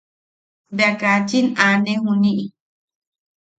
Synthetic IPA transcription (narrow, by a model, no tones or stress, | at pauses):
beakat͡ʃinanehuniʔi